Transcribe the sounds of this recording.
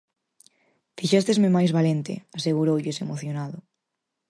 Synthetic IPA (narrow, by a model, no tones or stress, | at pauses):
fiʃɛst̪ezmemajzβalent̪ɪ̰aseɣuɾowʎɪsemoθjonaðʊ